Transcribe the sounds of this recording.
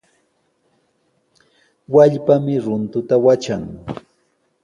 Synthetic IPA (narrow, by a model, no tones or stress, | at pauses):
waʎpamɪɾʊnt̪ʊt̪awat͡ʃaŋ